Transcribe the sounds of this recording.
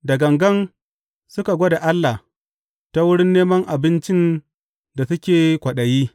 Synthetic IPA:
dɐ˨ɡɐ˨ŋɡɐ˦n | sʊ˦ka˨ɡʷo˦da˨ʔa˦lːa˨h | ta˦wʊ˦ɽɪ˦nːeː˦mɐ˦ŋʔa˨bɪ˦nt͡ʃɪ˦n | da˨sʊ˦kʲeː˨kʷɐ˨ɗɐ˨jiː˦

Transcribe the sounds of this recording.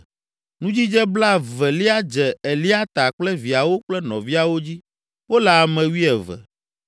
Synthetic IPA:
nũ˦d͡ʑi˦d͡ʒɛ˦bla˦vɛ˨li˦a˦d͡ʒɛ˨e˨li˦a˦t̪a˨k͡plɛ˦vi˨a˨wo˦k͡plɛ˦nɔ̃˨vi˦a˨wo˦d͡ʑi˦ | wo˦lɛ˨a˨mɛ̃˨wi˦ɛ˨vɛ̰˨

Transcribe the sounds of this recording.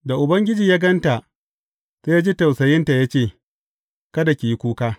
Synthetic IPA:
da˨ʔʊ˨bɐ˦ŋɡʲɪ˦d͡ʒiː˨jaː˦ɡɐ˦nta˨ʔ | seː˦jaː˦d͡ʒi˦tɐ˨wsɐ˨jɪ˦nta˨ja˦t͡ʃeː˦˨ | kɐ˦da˨kʲi˨ji˦kʷuː˦kaː˦

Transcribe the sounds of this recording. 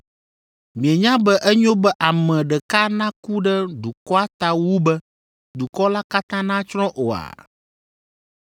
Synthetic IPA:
mĩ˨e˨ɲã˦bɛ˦ʔɛ˦ɲõ˦bɛ˦ʔa˨mɛ̃˨ɖɛ˨ka˦nã˦ku˦ɖɛ˦ɖu˨kɔ˦a˦t̪a˦wu˦bɛ˦ | d̪u˨kɔ˦la˦ka˦t̪ã˦nã˦t͡ʃɾɔ̃˦ʔo˨a̰˨

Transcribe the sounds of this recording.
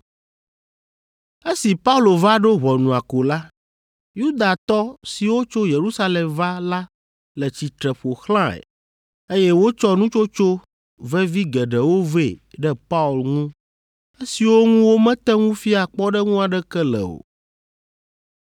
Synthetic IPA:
e˦si˨pa˦u˦lo˨va˦ɖo˦ɦɔ˨nũ˨a˨ko˨la˦ | ju˦d̪a˨t̪ɔ˦si˨wo˦t͡ʃo˦je˨ɾu˦sa˦lɛ˨mva˦la˦ | lɛ˨t͡ɕi˨t̪ɾɛ˨ɸo˨xlã˦ḛ˨ | e˦jɛ˦wo˦t͡ʃɔ˦nũ˦t͡ʃo˦t͡ʃo˦ | vɛ˦vi˦ɡɛ˨ɖɛ˨wo˦ve˦˨ɖɛ˦pa˦u˨lŋũ˦ | e˦si˨wo˦ŋũ˦wo˦mɛ̃˦t̪ɛ˦ŋũ˦fi˦a˨k͡pɔ˦ɖɛ˦ŋũ˦a˨ɖɛ˦kɛ˦lɛ̰˨o̰˨

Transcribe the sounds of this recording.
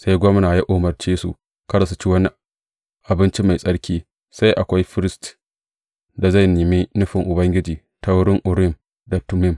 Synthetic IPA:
sa˦jɡʷɔ˦mnaː˨ja˦ʔoː˨mɐ˨ɽt͡ʃeː˦sṵ˨ | kɐ˦da˨su˦t͡ʃi˦wɐ˦ni˦ | ʔa˨bɪ˦nt͡ʃi˦ma˨jsʼɐ˦ɽkʲiː˦ | sa˦jʔa˨kʷa˦jɸɪ˦ɾɪ˦st | da˨za˦˨jniː˨mi˦nʊ˦ɸɪ˨ŋʔʊ˨bɐ˦ŋɡʲɪ˦d͡ʒiː˨ | ta˦wʊ˦ɽɪ˦ŋʔʊ˨ɽɪ˦m | da˨tʊ˦mɪ˦m

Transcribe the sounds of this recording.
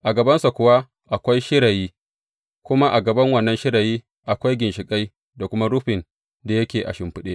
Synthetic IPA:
ʔa˨ɡɐ˨bɐ˦nsa˨kʷʊ˦wa˦ | ʔa˨kʷa˦jʃɪ˦ɽa˨jiː˦ | kʷʊ˦ma˦ʔa˨ɡɐ˨bɐ˦ŋwɐ˦˨nːɐ˦nʃɪ˦ɽa˨jiː˦ | ʔa˨kʷa˦jɡʲɪ˨nʃɪ˨kʼa˦j | da˨kʷʊ˦ma˦ɽʊ˦ɸɪ˨n | da˨jɐ˦kʲeː˨ʔa̰˨ʃɪ˨mɸɪ˦ɗeː˦

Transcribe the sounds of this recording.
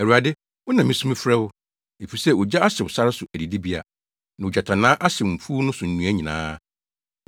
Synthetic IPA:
ɛ˨ɾu˨a˨dɪ˦ | wʊ˦nã˨mĩ˨sũ˦m˦fɾɛ˦wʊ˦ | e˨fi˨sɛ˦wʊ˨d͡ʑa˦a˦ɕɪ˨wʊ˨sa˦ɾɪ˦sʊ˨ʔæ˨di˨di˦bi˦a̰˨ | nã˨d͡ʑa˨tʰã˨nãː˦ʔa˦ɕɪ˨m̩˨fu˦nʊ̃˦sʊ˨n̩˨nũ˨˦æ˦ɲĩ˨nã̰ː˦

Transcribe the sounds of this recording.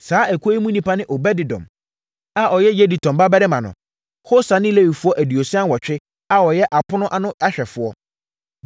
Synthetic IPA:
saː˨˦æ˨kʰo˦i˦mũ˦nĩ˦pa˦nɪ̃˦ʔɔ˨bɛ˦dɪ˨dɔ̰̃˨m | a˦ʔɔ˨jɛ˦jɛ˦di˨tʰɔ̃˨mba˦bɛ˦ɾɪ˦mã˨nʊ̰̃˨ | ho˦sa˨˦nɪ̃˦le˦wi˨fʊ˦ɔ˦ʔæ˨di˨o˨sɪ˦ã˦nwɔ˨t͡ɕᶣɪ˦ | a˦wɔ˨jɛ˦ʔa˨pʰʊ̃˦nʊ̃˦ʔa˦nʊ̃˦a˦ɕᶣɛ˨fʊ˨ɔ˦

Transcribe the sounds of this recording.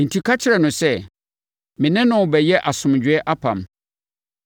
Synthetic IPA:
n̩˨tʰi˨kʰa˦t͡ɕʰɪ˦ɾɛ˨nʊ̃˨sɛ˦ | mɪ̃˨nɪ̃˦nʊ̃˨bɛ˨jɛ˦ʔa˨sʊ̃˨md͡ʑᶣɪ˨ɛ˦ʔa˦pʰã̰˨m

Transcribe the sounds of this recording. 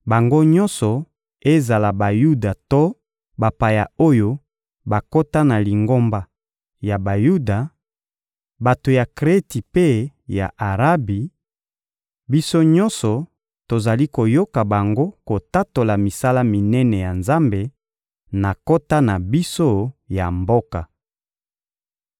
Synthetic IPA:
ba˨ŋɡo˦ɲɔ̃˦nsɔ˨ | e˦za˨la˨ba˨ju˦da˨to˦ | ba˨pa˨ja̰˨o˦jo˦ | ba˨ko˦ta˦na˨li˨ŋɡo˦mba˨ | ja˨ba˨ju˦da˨ | ba˨to˨ja˨kʁe˦ti˨pe˦ja̰˨ʔa˨ʁa˦bi˨ | bi˦so˦ɲɔ˦nsɔ˨ | to˨za˨li˦ko˨jo˦ka˨ba˨ŋɡo˦ko˨ta˦to˨la˨mi˨sa˦la˦mi˨nɛ˦nɛ˨ja˨nza˦mbe˨ | na˨ko˦ta˦na˨bi˦so˦ja˨mbo˦ka˨

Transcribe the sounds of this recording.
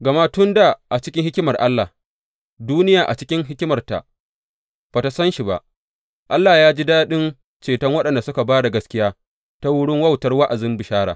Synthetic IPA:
ɡɐ˨ma˦tʊ˦nda˨ʔa˨t͡ʃɪ˦kʲɪ˦hɪ˦kʲɪ˦mɐ˨rʔa˦lːa˨ | duː˦nɪ˦jaː˨ʔa˨t͡ʃɪ˦kʲɪ˦ŋɦɪ˦kʲɪ˦mɐ˨rta̰˨ | b̥aː˨ta˨sɐ˦nʃi˨ba̰˨ʔ | ʔa˦lːa˨jaː˦d͡ʒi˦daː˦ɗɪ˦n | t͡ʃeː˨tɐ˦ŋwɐ˦ɗɐ˨nda˨sʊ˦ka˨baː˦da˨ɡɐ˦skʲɪ˦jaː˦ | ta˦wʊ˦ɽɪ˦ŋwɐ˦wtɐ˨rwa˦ʔa˨zɪ˦mbɪ˨ʃaː˦ɽa̰ː˨

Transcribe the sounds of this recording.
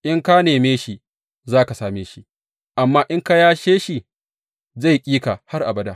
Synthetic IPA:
ʔɪ˦ŋka˦neː˨meː˦ʃi˦ | zaː˦ka˨saː˦meː˨˦ʃi˦ | ʔa˨mːaː˦ʔɪ˦ŋka˦jaː˦ʃeː˦ʃi˨ | za˦˨jkʲʼiː˦ka˨ha˦rʔa̰˨bɐ˦daː˦

